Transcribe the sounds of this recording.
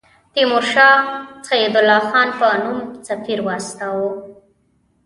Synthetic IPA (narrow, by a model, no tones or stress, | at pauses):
t̪imʊɾʃɑt͡sajid̪ʊlːɑxɑnpənumsafiɾwɑst̪awo